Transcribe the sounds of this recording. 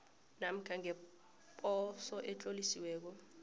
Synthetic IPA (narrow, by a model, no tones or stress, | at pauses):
nam̩kʰaŋɛ | pʼɔsɔʔɛt͡ɬʼolisiwɛːk̬ɔ